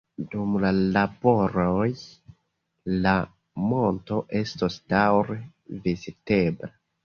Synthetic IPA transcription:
dumlalabo̞ɾoj | la | mo̞nto̞ʔe̞stosdawɾe | vizite̞bla

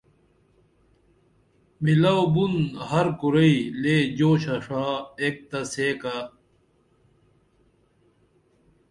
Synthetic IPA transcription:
milawbunhɐɾkuɾɐileːd͡ʑoːɕɐʂaːek̚t̪ɐseːka

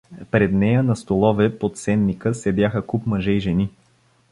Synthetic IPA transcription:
pɾɛd̪nɛjənɐst̪olˠɔvɛpot̪sɛnːikəsɛd̪ʲjaxəkupməʒɛiʒɛni

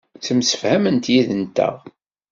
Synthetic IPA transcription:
t͡sːəmsə̥fhæmənt̪jiðənt̪æ̰ʁ

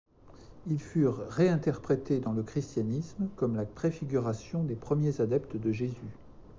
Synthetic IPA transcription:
ilfyʁːeɛ̃t̪ɛʁpχet̪ed̪ɑ̃ləkχist̪janismkɔmlapχefiɡʲyʁasjɔ̃d̪epχəmjezad̪ɛpt̪d̪əʒezy

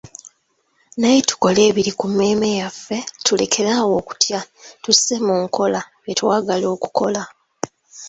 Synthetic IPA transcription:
najetu̥ko̞le̞ːβiɾikumːe̞ːme̞jafːe̞tule̞̰kʰe̞ɾaːwo̞ːku̥tjatuse̞muːŋkʰo̞la | jetwaːɡalo̞ːku̥ko̞la

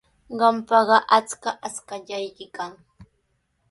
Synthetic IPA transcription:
ɢɑmpɑɢɑʔat͡skaʔaskaʎajkɪkaŋ

